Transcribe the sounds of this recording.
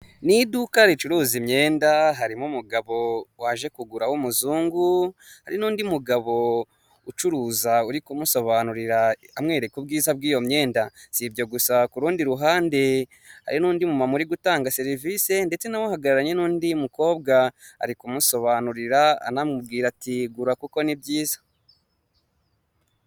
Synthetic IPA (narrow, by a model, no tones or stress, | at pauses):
nidukaɾit͡ʃuɾuːzimɲe̞ːndaɦaɾimumuɡaβo̞waʒe̞kuɡuɾawumuzuːŋɡuhaɾinuːndimuɡaβo̞ | ut͡ʃuɾuːzauɾikumuso̞βanuɾiɾaamŋe̞ːɾekub̚ɡiːzabɡiːjo̞mɲe̞ːndaz̥ibɟo̞ɡusakuɾuːndiɾuɦaːnde̞ | ha̰ɾinuːndimumamuɾiɡutaːŋɡase̞ɾivise̞nde̞t͡se̞nawohaɡaɾaɾaɲe̞nuːndimuko̞ːbɡaa̰ɾikumuso̞βanuɾiɾa̰ːnamub̚ɡiːɾatiɡuɾakuko̞nibɟiːzḁ